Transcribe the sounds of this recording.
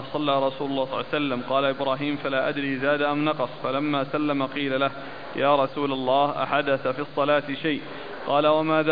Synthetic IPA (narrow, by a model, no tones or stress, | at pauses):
sˤɑlːaːɾˤɑsuːlʊlːɑːhsˤɑlːsalːamqɑːlaʔɪbɾaːɦiːmfalaːʔad̪ɾiːzaːd̪aʔamnɑqɑsˤfalamːaːsalːamaqiːlalah | jaːɾˤɑsuːlalˤːɑːhʔa̰ħad̪aθafiɑsˤːɑlaːt̪ɪʃajʔ | qɑːlawamaːð